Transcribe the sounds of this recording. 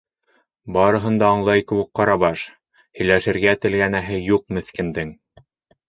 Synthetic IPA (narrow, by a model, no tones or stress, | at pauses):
bɑɾɤ̆ɦɤ̆nd̪ɑːɴlˠɑjkɘ̆wɘ̆k̚qɑɾɑβɑʃ | hɵ̆jlæʃɘ̆ɾɡæt̪ɘ̆lɡænæɦɘjuq̚mɘ̆θkɘ̆nd̪ɘŋ